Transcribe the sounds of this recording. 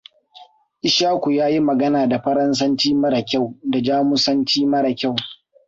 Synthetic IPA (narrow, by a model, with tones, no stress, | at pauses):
ʔɪ˨ʃaː˦kʷu˨jaː˦ji˦mɐ˨ɡɐ˦naː˨da˨ɸɐ˦ɾɐ˦nsɐ˦nt͡ʃiː˦mɐ˦ɽa˨kʲa˦˨wda˨d͡ʒaː˦mʊ˦sɐ˦nt͡ʃiː˦mɐ˦ɽa˨kʲa˦˨w